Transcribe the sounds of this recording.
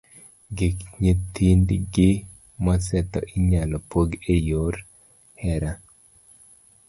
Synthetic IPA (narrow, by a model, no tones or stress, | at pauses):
ɡekɲet̪ʰind̪ɡɪ | masɛt̪ɔ̰ʔɪɲalɔpoɡejoɾ | hɛɾa